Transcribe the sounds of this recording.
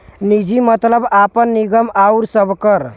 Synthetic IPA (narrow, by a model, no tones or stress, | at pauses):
nid͡ʒimət̪ləbapənːiɡəmauɾsəbkəɾ